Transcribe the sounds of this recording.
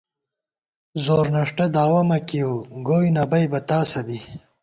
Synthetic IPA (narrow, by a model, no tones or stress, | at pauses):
zoːɾnɐʂʈɐd̪aːwɐmɐkiuɡoːjnɐbɐjbɐt̪aːsɐbi